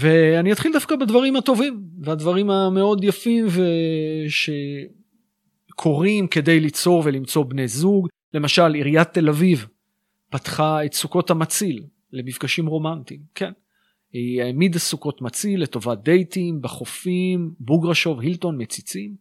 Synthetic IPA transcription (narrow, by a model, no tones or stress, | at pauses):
ve̞aniat̪χild̪afkabadvaʁimhat̪o̞vimvead̪vaʁimame̞o̞djafimveʃe̞ | kʰo̞ʁimke̞de̞jlit͡so̞ʁvelimt͡so̞bne̞jzuɡ | le̞maʃaliʁijat̪ːe̞laviv | pat̪χaet̪suko̞thamat͡silː | e̞mifɡaʃimʁo̞mantimkʰen | iaemid̪asuko̞tmat͡silːeto̞vad̪e̞jtimbaχofimbuɡʁaʃo̞vhilto̞nmet͡sit͡sim